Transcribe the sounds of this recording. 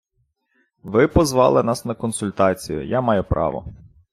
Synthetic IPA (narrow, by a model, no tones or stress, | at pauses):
ʋɪpɔzʋɑlˠɪnɑsnɐkɔnsʊlʲt̪ɑt͡sʲijʊ̰jamɑjʊpɾɑ̰ʋɔ̰